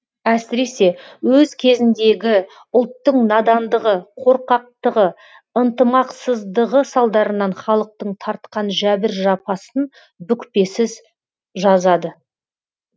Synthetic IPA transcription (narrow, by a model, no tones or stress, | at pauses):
æsɪɾe̞se̞wɵzkʲʰe̞zɪnd̪e̞ɡʲɪ | ʊlˠt̪ːəɴnɑd̪ɑnd̪əʁəqʰo̞ɾqɑq̚t̪əʁə | ənt̪əmɑqsəzd̪əʁəsɑlˠd̪ɑɾənɑɴχɑlˠəq̚t̪əɴt̪ʰɑɾt̪̚qɑnʒæbɪɾʒɑpɑsən | bʏkpe̞sɪz | ʒɑzɑd̪ə